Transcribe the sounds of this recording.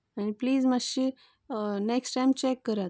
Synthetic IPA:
anipliːzmaʃi | neksʈajmt͡ɕekːəɾat̪

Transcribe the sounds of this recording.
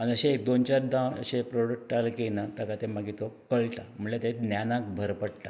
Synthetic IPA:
aniəɕeek̚d̪ont͡ɕaɾd̪ãə̰ɕepɾoɽək̚ʈalkenat̪akat̪ẽmaɡit̪okəɭʈam̤əɳlet̪ẽnjanãk̚bʱəɾpəɽʈa

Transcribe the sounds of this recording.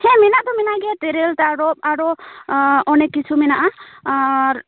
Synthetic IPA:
hɛ̃minaʔt̪ɔminaʔɡɛt̪ɛɾeltaɾɔp̚aɾɔ | ɔnɛkːit͡ʃʰuminaʔa

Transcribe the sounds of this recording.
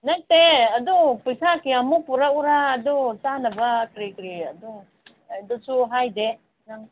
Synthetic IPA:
nɐk̚teɐdupujsakiɐmupuɾauɾaːdutanɐbɐkɾikɾiɐdu | jdusuɦajde | nɐŋ

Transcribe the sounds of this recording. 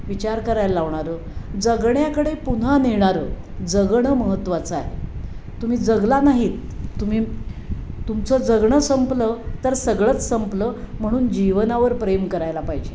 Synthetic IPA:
ʋit͡ɕaɾkəɾajllaʋɳ̃aɾə | d͡zəɡɳjakəɽepun̤aniɳ̃aɾə | d͡zəɡɳəməɦət̪ːʋat͡səa̰ɦḛ | t̪um̤iːd͡zəɡlanaɦiːt̪ːum̤iː | t̪umt͡sɔd͡zəɡɳəsəmplət̪əɾsəɡɭət͡ssəmplə | m̤əɽ̃uːnd͡ʑiʋnaʋəɾpɾemkəɾajlapajd͡ʑe

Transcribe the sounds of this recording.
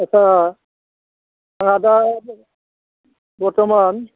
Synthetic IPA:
at͡ʃʰa | aŋada | bɔɹtɔman

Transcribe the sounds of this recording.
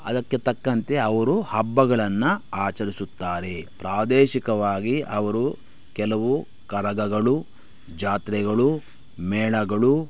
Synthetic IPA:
ɐ̰d̪ɐkːe̞t̪ɐkːɐnt̪e̞ɐʋɐɾuhɐbːɐɡɐɭɐnːɐaːt͡ʃɐɾisut̪ːaːɾe̞pɾaːd̪ɛːʃikɐʋaːɡiʔɐʋɐɾu | kɛlɐʋu | kɐɾɐɡɐɡɐɭu | d͡ʒaːt̪ɾɛɡɐɭu | mɛːɭɐɡɐɭu

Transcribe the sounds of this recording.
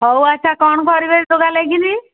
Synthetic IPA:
ɦɔwat͡ʃʰakɔɳ̃kɔɾibeɾd̪oɡaleɡini

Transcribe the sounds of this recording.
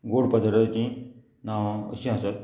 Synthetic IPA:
ɡoɽpəd̪ʱəɾat͡ɕĩ | naʋə̰ɕĩɦãsəɾ

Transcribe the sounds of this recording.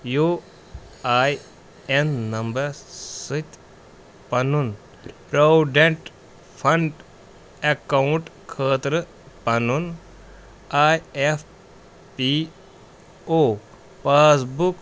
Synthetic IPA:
ju | aːj | enːɐmbɐɾsit̪ | pɐnun | pɾɐwɖeɳʈ | pʰɐɳɖ | ekawuɳʈkʰəːt̪ɾə | pɐnun | aːjef | pi | oː | paːsbuk

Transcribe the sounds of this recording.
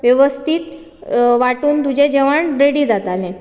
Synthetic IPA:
ʋjeʋəst̪ʰiːt̪ | ʋaʈuːnd̪ud͡ʑẽd͡ʑeʋaɳɾeɽiːd͡zat̪alẽ

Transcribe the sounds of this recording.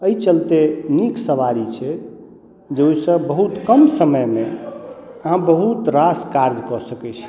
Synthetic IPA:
əjt͡ʃəlt̪eniksəʋaɾit͡ʃʰɛ | d͡ʒeojsə̃bəɦut̪kəmsəməjme | əɦãbəɦut̪ɾaskaɾd͡ʒkɔsəkɛt͡ʃʰ

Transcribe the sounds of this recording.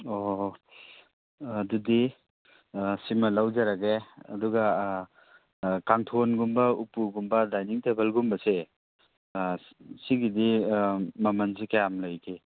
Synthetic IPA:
o | dudi | simɐlawd͡ʒaɾaɡeɐ̰duɡa | kaŋtʰonɡumbɐupuɡumbɐdajniŋtebelɡumbɐse | siɡidi | mɐmɐnzikajamlajke

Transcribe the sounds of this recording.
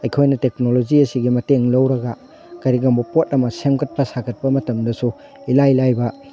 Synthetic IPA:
ɐjkʰojnɐtek̚nolod͡ʒiɐsiɡimɐteŋlɐwɾɐɡɐ | kɐɾiɡɐmbɐpot̚ɐmɐsemkɐt̚pɐsakʰɐt̚pɐmɐtɐmdɐsu | ilajlajbɐ

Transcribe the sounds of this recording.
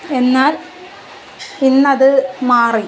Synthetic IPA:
e̞nːaːl | inːɐðɨmaːri

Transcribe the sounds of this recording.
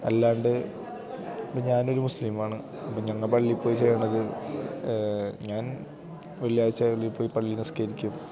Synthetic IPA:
ɐlːaːɳɖɨ | ɐpːoɲaːno̞ɾumuslimaːɳɨ | ɐpːomɲɐŋːɐɭpɐɭːipːo̞ːjit͡ɕejɐɳɐðɨ | ɲaːn | ʋɐɭijaːit͡ɕːɐɐɭːipːo̞ːjipɐɭːinɐsi̥kɐɾikʲːum

